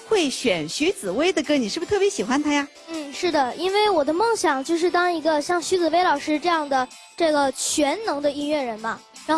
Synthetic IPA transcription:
xwe˥˩ɪɕɥɛ˨˩nɕy˧˥t͡sɹ̩˨˩we˥ɪd̪ə˨kə˥nni˨˩ʂɻ̩˥˩bt̪ʰɤ˥˩pjɛ˧˥ɕi˨˩xwa˧˥nt̪ʰa˥ja˧ | n̩˥˩ʂɻ̩˥˩d̪ə˩i˥nwe˥˩ɪwɔ˨˩d̪ə˦mɤ˥˩ŋɕjɑ˨˩ŋt͡ɕjo˥˧ʊʂ̬ɻ̩˥˩t̪ɑ˥ŋi˧˥ɡə˧ɕjɑ˥˩ŋɕy˧˥t͡sɹ̩˨˩we˥ɪlɑ˨˩ʊʂɻ̩˥ʈ͡ʂɤ˥˧jɑ˥˩ŋd̪ə˩ | ʈ͡ʂɤ˥˩ɡə˩t͡ɕʰɥɛ˧˥nnɤ˧˥ŋd̪ə˧i˥˧nɥɛ˥˩ɻə˧˥nbɐ˧ | ɻa˧˥nx

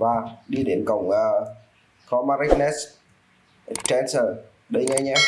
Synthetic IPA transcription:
vaː˨˩ɗi˧ɗe˨˦nkə˧˨wŋ͡mʔəː˨˩ | kɔ˨˦ma˧ɾi˦˥k̚nɛ˦˥s | t͡ɕɛ˧nsəː˨˩ | ɗə˨˦jɲɛ˧˦ɲɛ˧˥

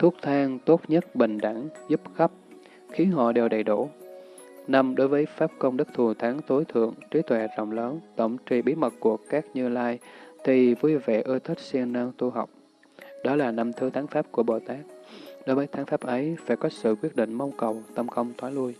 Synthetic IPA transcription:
t̪ʰu˦˥ək̚t̪ʰaː˧ŋt̪o˦˥t̚ɲə˦˥t̚ɓï˨˩ŋ̟ɗa˧˩ŋzu˦˥p̚xə˦˥p̚ | xi˨˦ənhɔ̰˧˨ɗe˨˩wɗə˨˩jɗu˧˩ | na˧mɗo˨˦jvəː˨˦jfaː˦˥p̚kə˧wŋ͡mɗɨ˦˥k̚t̪ʰu˨˩t̪ʰaː˨˦ŋt̪ʰo˨˦jt̪ʰɨ̰˧˨əŋt͡ɕi˨˦t̪ʰwɛ˧˨˩zə̰˧˨wŋ͡mləː˨˦nt̪ə̰˧˨wŋ͡mt͡ɕḭ˧˨˩ɓi˨˦mə˨˩t̚ku˧˩əkaː˦˥k̚ɲɨ˧laː˧jt̪ʰi˨˩vu˧jvɛ̰˧˨ʔɨː˧t̪ʰi˦˥t̚si˧əŋnaː˧wt̪u˧ɦa˨˩wk͡p̚ | ɗɔ˨˦laː˨˩na˧mt̪ʰɨ˨˦t̪ʰaː˨˦ŋfaː˦˥p̚ku˧˩əɓo̰˧˩t̪aː˦˥k̚ɗo˨˦jvəː˨˦jt̪ʰa˨˦ŋfaː˦˥p̚ʔə˨˦jfaː˧˩jkɔ˨˦sɨ̰˧˨kwi˦˥ət̚ɗḭ̈˧˨ŋ̟ma˧wŋ͡mkə˨˩wt̪ə˧mxə˧wŋ͡mt̪ʰwaː˨˦lu˧əj

